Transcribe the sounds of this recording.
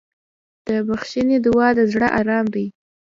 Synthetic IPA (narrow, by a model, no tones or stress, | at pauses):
d̪̥əbaxʃined̪ɪwɑd̪əzɽəʔɑɾɑmd̪ij